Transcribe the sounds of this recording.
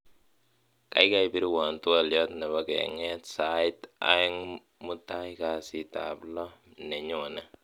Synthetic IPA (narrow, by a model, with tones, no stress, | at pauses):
ka̰˨jka˦jpi˦ɾi˦wɔ˨ntu˦a˨ljɔ˦tnɛ˨ba˦kɛ̰˨ŋɛ˦tsaɪta̰˦ŋ | mu˦ta˦jka˨si˦ta̰˨plɔ˦nɛ˨ɲʊ˨na˨